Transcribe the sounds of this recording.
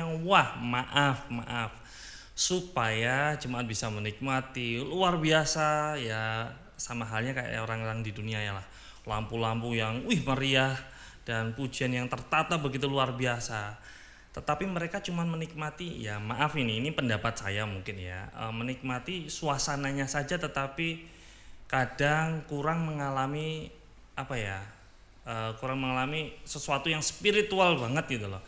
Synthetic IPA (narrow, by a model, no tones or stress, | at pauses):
aŋwahmaʔafma̰ʔaf | supajad͡ʒəmaʔat̪̚bisamənik̚mat̪iluarbiasaja | samaɦalɲakaja̰jaoɾaŋɾaŋdiduniajalah | lampulampujaŋwɪhməɾiah | d̥anpud͡ʒianjaŋt̪ərt̪at̪abəɡit̪uluarbiasa | t̪ət̪apiməɾekat͡ʃumanmənik̚mat̪ijamaʔafiniːnipəndapat̪̚sa̰jamuŋkɪnja̰ə̰mənik̚mat̪isuasanaɲasad͡ʒat̪ət̪api | kadaŋkuɾaŋməŋalami | apaja | əkuɾaŋməŋalamisəsuat̪ujaŋspiɾit̪ualbaŋət̪̚ɡit̪ulɔ̰h